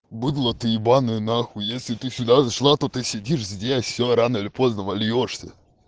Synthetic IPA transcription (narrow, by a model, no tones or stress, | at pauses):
bɨd̪lˠət̪ɨɪbanɨnaxʊjesʲlʲɪt̪ɨsʲʊd̪azɐʂlˠat̪ot̪ɨsʲɪdʲiʂzʲdʲesʲoɾanəɨɪlʲɪpo̞znəvɐlʲjoʂsʲə̰